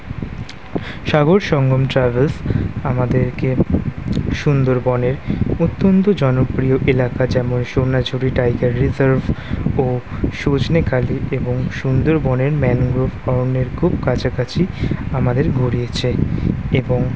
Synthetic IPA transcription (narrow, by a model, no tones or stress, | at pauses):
ʃaɡoɾʃɔŋɡʱomʈɾabelsamad̪eɾke | ʃund̪oɾbɔneɾut̪ːont̪od͡ʑɔnopɾioʔelakad͡ʑɛmonʃonad͡ʑʱuɾiʈajɡaɾːizaɾvʱoʃod͡ʑnekʰaliʔeboŋʃund̪oɾbɔneɾmɛnɡɾofɔɾneɾkʰubkat͡ɕʰakat͡ɕʰiamad̪eɾɡʱoɽiet͡ɕʰeeboŋ